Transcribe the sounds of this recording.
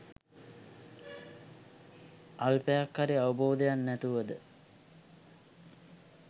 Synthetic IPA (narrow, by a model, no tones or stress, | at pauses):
alpejakhaɾiaʋəboːd̪ejanːæt̪uʋəd̪ə